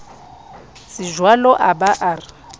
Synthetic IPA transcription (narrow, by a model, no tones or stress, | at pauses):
sɪʒwalɔʔabaʔaːrɪ